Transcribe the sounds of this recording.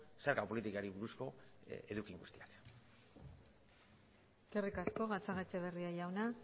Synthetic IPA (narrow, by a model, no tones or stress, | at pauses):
seɾkapo̞lit̪ikaɾiβuɾusko̞e̞ðukiŋɡust̪iak | eske̞rikasko̞ɣat͡saɣet͡se̞β̞e̞riaʝawna